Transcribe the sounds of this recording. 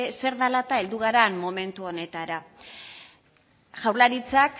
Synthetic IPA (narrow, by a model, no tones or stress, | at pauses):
se̞ɾðalat̪ae̞ld̪uɣ̞aɾammo̞me̞nt̪uo̞ne̞t̪aɾa | ʝawɾlaɾit͡sak